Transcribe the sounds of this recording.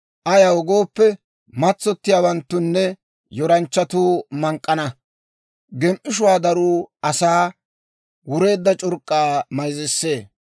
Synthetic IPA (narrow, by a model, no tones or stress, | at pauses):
ʔɐjɐwɔɡo̞ːpːɛ | mɐt͡sːɔt̪ːɪjaːwɐnt̪ːʊnːɛ | jɔɾɐnt͡ʃːɐt̪uːmɐŋkʼːɐnɐ | ɡɛmʔɪʃ̬ʊwaːd̪ɐɾuːɐsaː | wʊɾe̞ːd̪ːɐt͡ʃʼʊɾkʼːaːmɐjzɪsːe̞ː